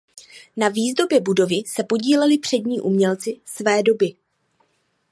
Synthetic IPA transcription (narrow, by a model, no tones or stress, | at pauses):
naviːzdo̞bjɛbudo̞vɪsɛpo̞ɟiːlɛlɪpr̝̥ɛdɲiːʔumɲɛlt͡sɪsvɛːdo̞bɪ